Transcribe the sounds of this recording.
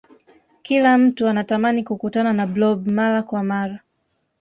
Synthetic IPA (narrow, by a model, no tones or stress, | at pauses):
kilam̩tuanatamanikukutananablɔbmalakwamaɾa